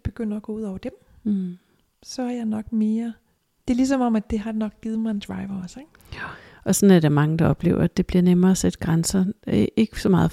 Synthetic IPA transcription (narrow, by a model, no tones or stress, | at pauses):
b̥e̝ɡ̥øn̰ɐːɡ̥ɔ̽uð̞̰ˠɒʊɐd̥em | sɒ̽hɑjɑ̈ɪnɒ̽ɡ̥me̝ːɐ | d̥e̝ɐlis̬ɒ̽mɒ̽mæ̥e̝ɦɑ̈nɒ̽ɡ̥̚ɡ̥ið̞̩ˠmɑ̈ɪend̥ʁɑ̈ɪʋɐɒ̽seɡ̥ | ɒ̽sɒ̽næd̥eæɐmɑ̈ŋəd̥ɑ̈ɒ̽b̥le̝ːʊɐæd̥e̝b̥liɐnemɐːsed̥ɡ̥ʁansɐeɡ̥əsɒ̽mɑ̈ːð̩ˠ